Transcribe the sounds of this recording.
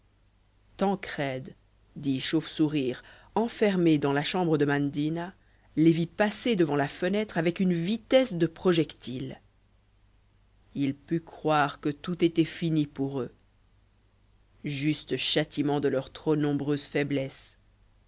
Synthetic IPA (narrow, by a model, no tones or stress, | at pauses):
t̪ɑ̃kχɛd̪ː | iʃofsuʁiːʁ | ɑ̃fɛʁmed̪ɑ̃laʃɑ̃bʁəd̪əmãnd̪ina | levipased̪əvɑ̃lafənɛt̪χavɛkynvit̪ɛsd̪əpχɔʒɛkt̪il | ilpykχwaʁkət̪ut̪et̪ɛfinipuʁø | ʒyst̪əʃat̪imɑ̃d̪əlœʁt̪χonɔ̃bʁøzfɛblɛs